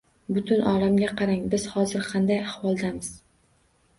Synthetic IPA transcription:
bʊt̪ʰʊnʔɒlamɡʲaqʰɑɾaŋbɪz̥hɒzɪɾqʰɑnd̪ajahwɒlˠd̪amɪz̥

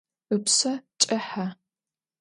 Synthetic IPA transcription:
ɨpsɐt͡ʃʼɐħa

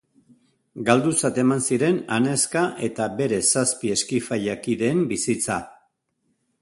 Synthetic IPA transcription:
ɡald̪usat̪e̞mansiɾe̞nane̞skaʔe̞t̪abe̞ɾe̞saspie̞skifaʎakiðe̞ːmbisit͡sa

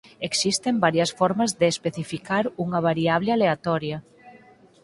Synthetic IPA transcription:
eksist̪embaɾjɐsfɔɾmɐzðeːspeθifikaɾuŋɐβ̞aɾiaβlealeat̪ɔɾjɐ

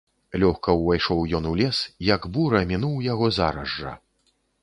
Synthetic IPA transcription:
lʲɔxkɐwvajʂɔwjɔnulʲɛsijɐɡbuɾɐmʲinuwjaɣɔza̰ɾɐʐːɐ̰

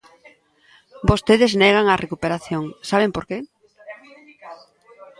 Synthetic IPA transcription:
bost̪eðɪzneɣ̞aŋarʔekupeɾaθjoŋsaβ̞empoɾke

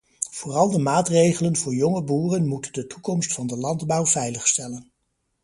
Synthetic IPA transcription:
v̥ʊːrɑlˠdəmaːtrejχələnvʊːɹjɔŋəbuːrənmutəndətukɔmstfɑndəlɑndbɑwvɛjləχstɛlən

